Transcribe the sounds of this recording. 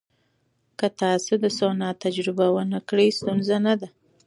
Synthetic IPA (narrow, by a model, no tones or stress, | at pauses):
kət̪ɑsod̪əsonɑt̪ad͡ʒɾɪbawənakɽəjst̪unzanad̪a